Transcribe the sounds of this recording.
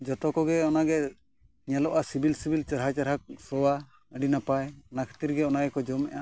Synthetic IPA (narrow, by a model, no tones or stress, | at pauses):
d͡ʒɔt̪ɔkɔɡɛɔnaɡɛ | ɲɛlɔʔasibilsibilt͡ʃaɾɦat͡ʃaɾɦak̚sɔwa | əɖinapajɔnakʰɛ̥t̪iɾɡɛɔnaɡɛkɔd͡ʒɔmɛ̰ʔa